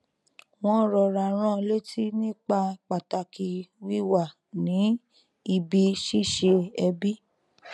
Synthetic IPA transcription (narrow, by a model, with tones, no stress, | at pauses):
w̃ɔ̃˦ɾɔ˧ɾa˨ɾ̃ã˦le˦tʰi˦nĩ˦˨k͡pa˧k͡pa˨ta˧ki˧wi˦wa˦˨ | nĩ˨˦ | i˧bi˧ʃi˦˨ʃe˧ɛ˧bi˦